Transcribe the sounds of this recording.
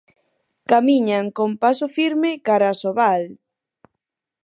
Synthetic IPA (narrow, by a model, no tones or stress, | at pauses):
kamiɲaŋkompasofiɾmɪkaɾasoβal